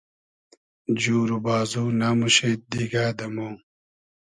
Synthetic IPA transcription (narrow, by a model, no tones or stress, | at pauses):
d͡ʑuːɾubaːzuːnamuɕeːt̪̚d̪iɡaːd̪ɐmoː